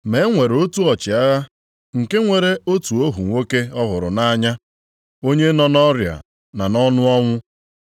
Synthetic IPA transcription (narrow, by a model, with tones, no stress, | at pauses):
me˨˦ŋʷe˨ɾo˦tu˦ɔ˨t͡ʃɪ˨a˦ɣa˦ | ŋ̩˨ke˦ŋʷe˨ɾe˦o˦tu˨o˦ɦu˨ŋʷo˦ke˦ɔ˦ɦʊ˨ɾʊ̰˨na˦ɲa˦ | o˦ɲe˦nɔ˨nɔ˦ɾja̰˨ | na˨nɔ˦nʊ˦ɔ˦ŋʷʊ˦